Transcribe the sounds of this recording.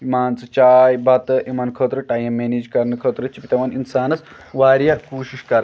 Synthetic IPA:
imaːnt͡sɨt͡ʃaːjbɐt̪ɨʔimɐnkʰəːt̪ɾɨʈaːjɐmːeːniːd͡ʒkɐɾnɨkʰəːt̪ɾɨt͡ʃipit̪ɐʋɐninsaːnɐs | ʋaːɾjakoːʃiʃkɐɾɐ

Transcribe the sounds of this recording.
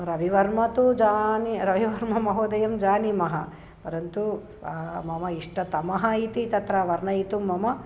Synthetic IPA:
ɾɐʋiʋɐɾmɐt̪ud͡ʒaːniɾɐʋiʋɐɾmɐmɐɦoːd̪ɐjɐmd͡ʒaːnimɐɦɐ | pɐɾɐnt̪usɐmɐmɐiʂʈɐt̪ɐmɐɦɐit̪it̪ɐt̪ɾɐʋɐɾɳɐit̪umːɐmɐ

